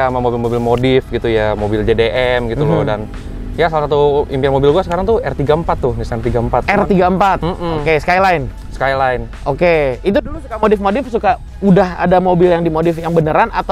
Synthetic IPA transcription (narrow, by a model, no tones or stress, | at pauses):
amamobɪlmobɪlmodɪfɡit̪ujamobɪld͡ʒedeʔɛmɡit̪ulɔdan | jasalasat̪uimpianmobɪlɡuasəkaɾaŋt̪uɛrt̪iɡaəmpat̪ːʊhnisaɛrt̪iɡaəmpat̪̚ɛrt̪iɡaəmpat̪m̩m̩okesə̥kajlaɪn | sə̥kajlaɪn | ʔokeit̪̬udulusukamodɪfmodɪfsuka | udaha̰damobɪljaŋdimodɪfjaŋbənəɾana̰t̪a